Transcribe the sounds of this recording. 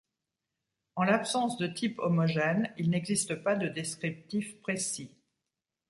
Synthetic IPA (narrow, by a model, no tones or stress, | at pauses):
ɑ̃lapsɑ̃sd̪ət̪ʰipɔmɔʒɛnilnɛɡzist̪əpad̪əd̪eskχip̚t̪ifpχesi